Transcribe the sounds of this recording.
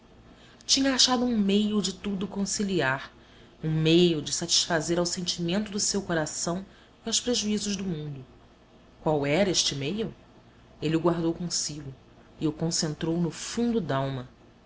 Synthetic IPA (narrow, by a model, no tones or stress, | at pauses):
t͡ʃĩɲɐaʃad̪ʊũmejʊd͡ʒɪt̪ud̪ʊkõsiliaɾ | ũmejʊd͡ʒɪsat͡ʃi̥ʃfazeɾawsẽnt͡ʃimẽnt̪ʊd̪ʊsewkoɾasɐ̃w̃ | iawspɾeʒuizʊʒd̪ʊmũnd̪ʊ | kwawɛɾɐeʃt͡ʃɪmejʊ | eliʊɡwaɾd̪owkõsiɡʊ | ɪʊkõsẽnt̪ɾownʊfũnd̪ʊd̪awmɐ